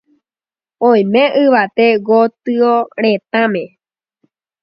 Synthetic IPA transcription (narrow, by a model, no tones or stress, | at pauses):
õj̃mẽ̞ʔɨʋat̪eɡot̪ɨoɾet̪ãmẽ̞